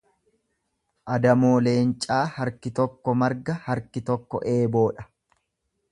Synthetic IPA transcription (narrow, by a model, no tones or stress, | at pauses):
ʔɐd̪ɐmoːle̞ːnt͡ʃʼaːhɐɾkɪt̪ɔkːɔmɐɾɡɐhɐɾkɪt̪ɔkːɔ̰ʔe̞ːbo̞ːᶑɐ̥